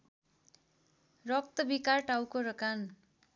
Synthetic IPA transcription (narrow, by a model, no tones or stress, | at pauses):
rʌk̚t̪ʌbikarʈawkoɾʌkan